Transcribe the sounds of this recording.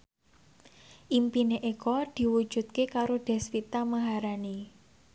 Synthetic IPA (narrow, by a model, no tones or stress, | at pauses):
ʔimpineʔekɔd̪̥i̤wu̥d͡ʒ̥ṳt̪̚kekaɾoɖ̥ɛ̤sfit̪aməɦaɾani